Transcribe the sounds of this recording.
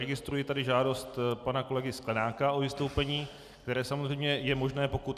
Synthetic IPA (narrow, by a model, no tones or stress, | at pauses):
ɛɡɪst̪ɾujɪt̪adɪʒaːdost̪panako̞lɛɡɪsklɛnaːkao̞vɪst̪owpɛɲiː | kt̪ɛɾɛːsamozrɛjmɲɛjɛmo̞ʒnɛːpo̞kut̪